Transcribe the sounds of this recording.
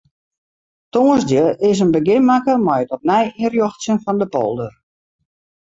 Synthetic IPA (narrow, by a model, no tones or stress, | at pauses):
toːəzdjəʔɪsənbəɡɪnmakəmɛjətɔp̚nɛjirjɔxsjənfɔndəpo̰lˠdər